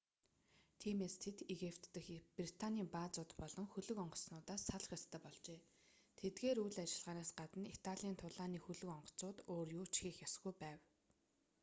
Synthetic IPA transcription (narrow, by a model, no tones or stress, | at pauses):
t̪ʰiːmeːst̪ʰet̪eɣipt̪ːɘ̆xprit̪ʰanʲiːmpaːt͡sʊːt̪pɔɮɞ̆ŋxɵɮɵ̆kɔɴɢɞ̆ɮsnʊːt̪aːsːaɮ̆χʲjast̪æːpɔɮt͡ɕeː | t̪ʰet̪ɡeːɾujɮat͡ɕɪ̆ɮʁaːnaːsɢat̪ə̆nit̪ʰaɮʲiːnt̪ʰʊɮaːniːxɵɮɵ̆kɔɴɢɞ̥̆t͡sʊːt̪oːrjuːt͡ɕxiːxjasɣujpæːw